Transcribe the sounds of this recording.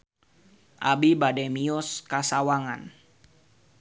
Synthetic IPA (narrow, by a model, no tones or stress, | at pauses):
ʔabibadɛmiɔskasawaŋan